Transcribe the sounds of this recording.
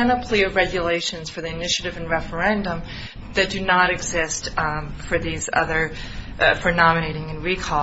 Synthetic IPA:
ɨ̃nəpʰl̥iɨvɹɛɡjɨleɪʃɨ̃nz̥fə˞ðiɨnɪʃɨɾɨvɨ̃nɹɛfə˞ɛ̃ndə̃m | ðɨt̚d̥ɨnəɾɨɡzɪstfə˞ðizʌ̰ðə˞ | fə˞nɑmɨɾeɪɾɪ̃ŋɨ̃nɹikʰɔ

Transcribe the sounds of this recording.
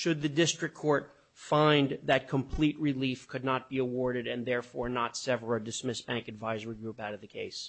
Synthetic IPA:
ʃɨd̪̚ðɨdɪstɹ̥ɨkʰːɔɹt̚ | fãɪ̃nðɨt̚kʰə̃mpʰl̥iʔ̚ɹilifkʰɨdⁿnət̚b̥iəwɔɹɾɨɾɨ̃nðɛɹfɔɹnətsɛvɹ̩dɨsmɪsb̥æ̃ŋkɨdvaɪzəɹiɡɹupaʊɾʌvðɨkʰeɪs

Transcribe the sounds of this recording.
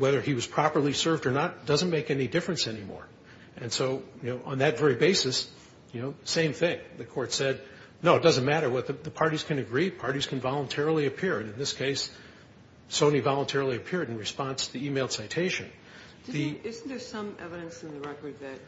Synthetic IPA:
wɛðə˞iwʌz̥pʰɹ̥ɑpə˞lˠisɜ˞vdə˞nət̚d̥ʌzɨ̃nmeɪkɛnidɪfɹɨ̃nsɛnimɔ̰ɹ | ɨ̃nsoʊjɨnoʊʔə̃nðɨtvɛɹibeɪsɨs | jɨnoʊsẽɪ̃mθɪ̃ŋðɨkʰɔɹtsɛd̚ | noʊɨt̚d̥ʌz̃n̩mæɾə˞wʌt̪̚ðɨðɨpʰɑɹɾiz̥kʰɨ̃nɨɡɹipʰɑɹɾiz̥kʰɨ̃nvɑlˠə̃ntʰɛɹl̩ˠiɨpʰɪɹɨ̃nɨ̃nðɪskʰeɪs | sõʊ̃nivɑlˠə̃ntʰɛɹl̩ˠiɨpʰɪɹɾ̃n̩ɹɨspɑ̃nstʰɨðiimeɪl̥ˠsaɪtʰeɪʃɨ̰̃n | ðɨɪzðə˞sʌ̃mɛvɨɾɨ̃nsn̩ðɨɹɛkə˞d̪̚ðɨt̚

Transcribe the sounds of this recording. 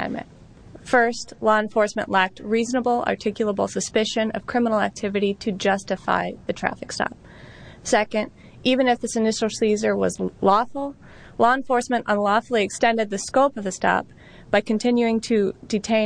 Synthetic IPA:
mɨ̰̃t | fɜ˞stlɔə̃nfɔɹsmɨ̃nʔlæk̚t̚ɹiznəbl̩ˠɑ̰˞tʰɪkjl̩ˠəbl̩ˠsɨspɪʃɨ̃nʌ̰v̥kʰɹ̥ɪ̃mənl̩ˠæ̰k̚tʰɪvɨɾiɾɨd͡ʒʌstɨfa̰ɪðɨtʰɹ̥æ̰fɨkstɑ̰p̚ | sɛkɨ̃nd | ivɨ̃nɨfðɪsɨnɪʃl̩ˠsizə˞wʌzlɔfl̩ˠ | lɔə̃nfɔɹsmɨ̃nʔə̃nlɔfl̩ˠiɨkstɛ̃ndɨd̪̚ðɨskoʊpʌvðɨstɑ̰p̚ | b̥aɪkɨ̃n̩tʰɪ̃njʉɪ̃ŋtʰɨdɨtʰẽɪ̃

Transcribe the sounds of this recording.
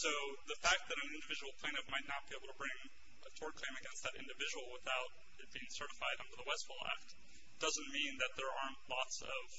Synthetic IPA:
soʊðɨfæk̚t̪̚ðɨɾɨ̃n̩ɪ̃ndɨvɪd͡ʒəwl̩ˠpʰkʰl̥ẽñɨvmaɪtⁿnət̚b̥ieɪbl̩ˠtʰəbɹɪ̃ŋ | ətʰɔɹd̚kʰl̥ẽɪ̃mɨɡɛ̃nst̪̚ðɨɾɪ̰̃ndɨvɪd͡ʒəwl̩ˠwəθaʊɾ | ɨt̚b̥iɪ̃ŋsɜ˞ɾəfaɪɾʌ̃ndə˞ðəwɛstfɔl̩ˠæ̰k̚t | d̥ʌzɨ̃nmĩnðɨt̪̚ðə˞əɹ̃ntˡlɔtsʌv̥

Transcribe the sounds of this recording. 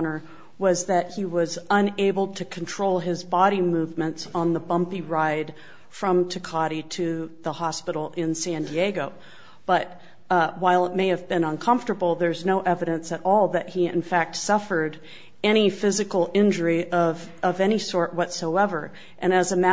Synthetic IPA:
nə˞ | wʌzðɨt̚hiwʌzə̃neɪbl̩ˠtʰɨkʰn̩tʰɹ̥oʊlˠɪzbɑɾimʉvmɨ̃ntsn̩ðəbʌ̃mpiɹaɪd̥ | fɹʌ̃mtʰɨkʰɑɾiɾɨðəhɑspɪɾl̩ˠɪ̃nsæ̃ndieɡoʊ | b̥ʌt̚ | waɪlˠət̚meɪɨvbɨ̃nʌ̃nkʰʌ̃ɱftə˞bl̩ˠðə˞znoʊʔɛvɨɾɨ̃nsɨɾɔlˠðɨt̚hiɨ̰̃nfæk̚tsʌfə˞ɾ | ɛɾ̃ifɪzɨkl̩ˠɪ̃nd͡ʒə˞iʔʌv | ʌvɛñisɔɹʔ̚wʌtsoʊɛvə˞ | ʔɨ̃ñɨzɨmæ

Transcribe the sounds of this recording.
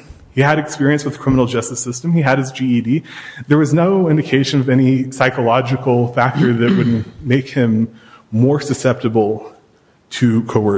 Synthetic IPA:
hiɨɾɨkspɪɹiɨ̃nswɨðɨkʰɹ̥ɪ̃mən̩l̩ˠd͡ʒʌstɨsɪstɨ̃miɨɾ̚ɨzd͡ʒiidiðə˞wʌznoʊɪ̃ndɨkʰeɪʃɨ̃nʌvɛɾ̃nisaɪkəlɑd͡ʒɨkl̩ˠfæk̚tə˞ðɨʔ̚wʊdⁿn̩meɪkhɪ̃mːɔɹsɨsɛp̚tɨbl̩ˠ | tʰɨkʰoʊɜ˞

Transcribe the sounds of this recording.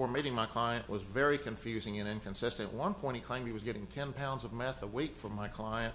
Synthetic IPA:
ə˞meɪɾɪ̃ŋmaɪkʰl̥aɪɨ̃nʔwʌzvɛɹikʰɨ̃ɱfjʉzɪ̃ŋɨ̃ñɪ̃nkɨ̃nsɪstɨ̃n̰wʌ̃npʰɔ̃ɪ̃tikʰl̥ẽɪ̃miwʌzɡɛɾɪ̃ŋtʰɛ̃npʰãʊ̃ndzʌvmɛθəwikfə˞maɪkʰl̥aɪɨ̃nt

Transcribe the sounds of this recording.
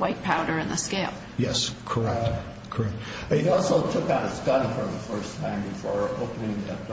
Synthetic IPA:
waɪt̚pʰaʊɾə˞ɨ̃nðɨskeɪp̚ | jɛskʰə˞ɛk̚ | kʰə˞ɛk̚t̚ | ɪɾɔlˠsoʊtʰʊkaʊɾɨskʌɾ̃fʌ̃ðəfɜ˞stʰãɪ̃mbɨfɔɹoʊpənɪ̃ŋɛp

